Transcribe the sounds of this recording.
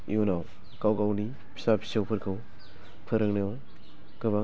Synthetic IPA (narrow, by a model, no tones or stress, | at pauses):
ḭunaw | kawkawni | pʰi̥sapʰi̥sawpʰɯɾkʰɯw | pʰɯɾɯŋnɯjaw | kɯba